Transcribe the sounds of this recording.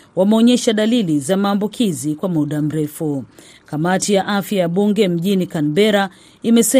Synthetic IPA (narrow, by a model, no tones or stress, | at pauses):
wamɛɔɲɛʃaɗalilizamaːmbukʰizikwamuɗam̩ɾɛfu | kamatijaʔafjajaɓuŋɡɛm̩ʄinikanbɛɾa | imɛsɛ